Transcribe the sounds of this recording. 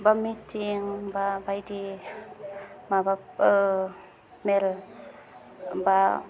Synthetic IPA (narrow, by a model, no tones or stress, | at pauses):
bamitʰiŋbabajdi | mabap | mel | ba